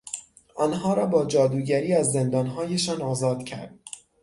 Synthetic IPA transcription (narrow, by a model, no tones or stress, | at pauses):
ʔɒːnɦɒːɾɒːbɒːd͡ʒɒːd̪uːɟæɾiːæzːe̞nd̪ɒːnɦɒːjeʃɒːnɒːzɒːd̪̥cʰæ̰ɾd̪̥̚